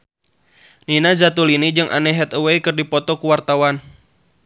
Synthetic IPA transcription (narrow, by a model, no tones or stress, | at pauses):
ninazat̪ulinid͡ʒɨŋʔa̰nɛɦɛt̪uweikɨrdipɔt̪ɔkuwart̪awan